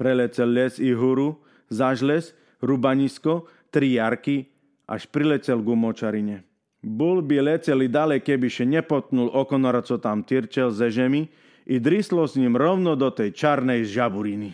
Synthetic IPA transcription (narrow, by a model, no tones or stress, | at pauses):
pɾɛlɛt͡sɛlːɛsiɦuɾu | zaʒlɛs | ɾubaɲiskɔ | t̪ɾijaɾki | a̰ʃpɾilɛt͡sɛlɡumɔt͡ʃaɾiɲɛ | bulbilɛt͡sɛlid̪alɛjkɛbiʃɛɲɛpɔt̪̚nulɔkɔnɔɾat͡sɔt̪amt̪iɾt͡ʃɛlzɛʒɛmi | id̪ɾislɔsɲimɾɔʊnɔd̪ɔt̪ɛjt͡ʃaɾnɛjʒabuɾini